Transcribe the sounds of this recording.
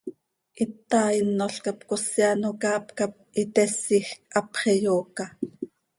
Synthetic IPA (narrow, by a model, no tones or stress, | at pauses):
ʔit̪ːɑːinːoɬkapkosjanokɑːpkap̚it̪ɛsːixk̚ʔɑpχɛjoːkɑ